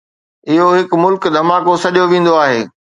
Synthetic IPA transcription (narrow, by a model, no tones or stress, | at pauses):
ɪɦoɦɪkmʊlkd̪ʱɐmaːkosɐɗijoʋẽːn̆d̪oaːɦeː